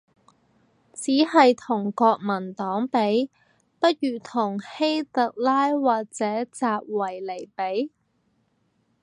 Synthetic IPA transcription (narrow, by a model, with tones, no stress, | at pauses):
t͡siː˨˥hɐ˨jt̪ʰʊ˨˩ŋkɔː˧k̚mɐ˨˩nt̪ɔː˨˥ŋpe˨˥j | pɐ˥t̚jyː˨t̪ʰʊ˨˩ŋhe˥jt̪ɐ˨k̚laː˥jwaː˨k̚t͡sɛː˨˥t͡saː˧p̚wɐ˨˩jle˨˩jpe˨˥j